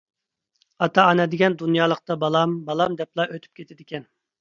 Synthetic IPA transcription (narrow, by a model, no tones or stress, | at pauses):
ɑt̪ʰɑːnɛd̪ɪɡʲɛnd̪unjɑːlˠəqt̪ɑbɑlˠɑmbɑlˠɑmd̪ɛplˠɑʔøt̪ʰy̥p̚kʲʰet̪ʰɪd̪ɪkʲɛn